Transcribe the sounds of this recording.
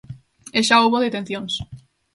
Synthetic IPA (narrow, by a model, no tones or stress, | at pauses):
eʃaoβoðet̪en̟θjoŋs